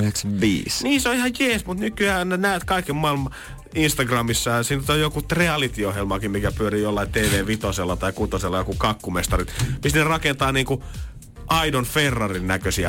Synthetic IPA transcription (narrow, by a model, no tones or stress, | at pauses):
yheksɑʋʋḭːsniːseoihɑjjeːsmut̪nykyæːnnenæøt̪kɑikemmɑilmɑ | inst̪ɑɡrɑmisːɑsiːnːet̪ojokut̪reɑlit̪iohjelmɑːkimmikæpyøɾiːjolːɑint̪eːʋeːʋit̪oselːɑt̪ɑikut̪oselːɑjokukɑkːumest̪ɑrit̪misnerɑkent̪ɑːniːŋku | ʔɑidonferːɑrinnækøsiæ̰